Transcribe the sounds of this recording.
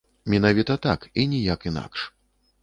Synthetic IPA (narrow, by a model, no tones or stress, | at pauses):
mʲɛnavʲit̪ɐt̪a̰kinʲijakina̰kʂ